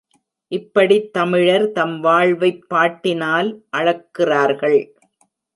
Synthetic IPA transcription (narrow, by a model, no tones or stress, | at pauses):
ʔɪpːɐɽit̪ːɐmɪɻɐɾt̪ɐmʋaːɭʋɐɪpːaːʈːɪnaːlʔɐɻɐkːɪraːɾɣɐɭ